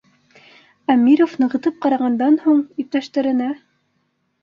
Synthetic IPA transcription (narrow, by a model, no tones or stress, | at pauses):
æmʲːiɾofnɤ̆ʁɤ̆t̪ɤp̚qɑɾɑʁɑnd̪ɑnhuɴip̚t̪æʃt̪ɘ̆ɾɘ̆næ